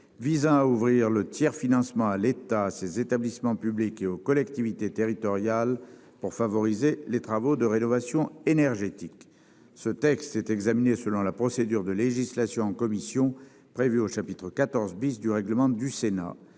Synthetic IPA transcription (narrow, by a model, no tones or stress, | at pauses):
vizɑ̃auvʁiʁlət̪jɛʁfinɑ̃smɑ̃alet̪aːsezet̪ablismɑ̃pyblikeokɔlɛkt̪ivit̪et̪eʁit̪ɔʁjal | puʁfavɔʁizelet̪χavod̪əʁenɔvasjɔ̃enɛʁʒet̪ik | sət̪ɛkst̪ɛt̪ɛɡzaminesəlɔ̃lapχɔsed̪yʁd̪əleʒislasjɔ̃ɑ̃kɔmisjɔ̃ | pχevyoʃapit̪χəkat̪ɔʁzbisd̪yʁɛɡləmɑ̃d̪ysena̰